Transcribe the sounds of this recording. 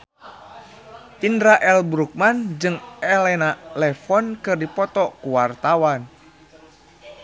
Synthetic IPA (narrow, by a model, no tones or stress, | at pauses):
ʔindɾaʔɛlbɾuk̚mand͡ʒɨŋɛlɛnalɛfɔnkɨrdipɔt̪ɔkuwart̪awan